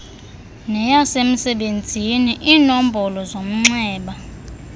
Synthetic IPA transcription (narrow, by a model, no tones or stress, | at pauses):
nɛjasem̩sɛɓend͡zʱiniʔiːnom̩bʱɔlɔzom̩ŋ͡ǀɛːɓa